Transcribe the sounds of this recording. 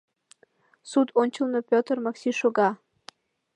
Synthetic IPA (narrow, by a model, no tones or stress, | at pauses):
sut̪onʲt͡ɕəlnɤpʲot̪ərmɑksiʃoɣɑ